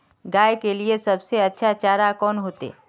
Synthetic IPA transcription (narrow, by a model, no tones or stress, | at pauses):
ɡaːekeliesɐbseɐtːʃʰat͡ʃaːɾakɔːnɦoːt̪ḛː